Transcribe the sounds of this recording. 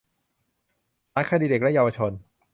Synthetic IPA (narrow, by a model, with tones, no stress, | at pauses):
saː˦˥kʰa˧diː˧de˨˩k̚lɛ˦˥jaː˧wa˧t͡ɕʰo˧n